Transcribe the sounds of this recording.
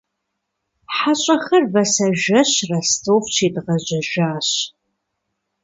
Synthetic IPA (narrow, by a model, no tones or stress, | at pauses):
ħaɕʼɐxɐrvɐsɐʒɐɕrɐstʰoːft͡ʃʰiːdʁɐʑɐʒaːɕ